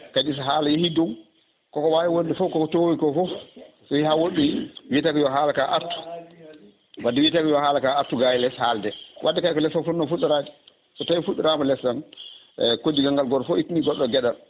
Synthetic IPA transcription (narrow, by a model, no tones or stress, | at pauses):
kad͡ʒis̬ɦaːlajehidɔw | kɔkɔwajiwondɛfɔkɔkɔtowikɔfɔ | sɔihawoɗːiwitaɡɛjɔɦaːlakaʔaɾtu̥ | wadːiwitakijɔhaːlakaaɾtːuɡajɛlɛshaldɛwʔadːɛkajkɔlɛsafunnɔfuɗːuɾaːd͡ʒi̥ | kɔtawifuɗːuɾaːmalɛsan | kodːiɡaŋɡalɡɔɗɔfɔitniɡɔɗːɔɡɛɗal